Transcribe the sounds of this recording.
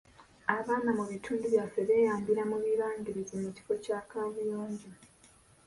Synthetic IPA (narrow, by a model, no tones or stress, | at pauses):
aβaːnamuβitʰuːnduβjaːfeβe̞ːjaːmbiɾamuβiɾaːŋɡiɾizimuci̥fo̞caːkaβujoːɲɟa